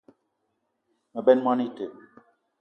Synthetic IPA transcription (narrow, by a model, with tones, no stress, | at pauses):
mə˨bɛ˦nma˦ni˦˨te˨